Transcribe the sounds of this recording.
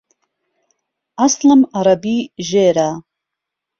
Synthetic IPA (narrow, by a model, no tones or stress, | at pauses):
aslɨmaɾabiːʒeːɾaː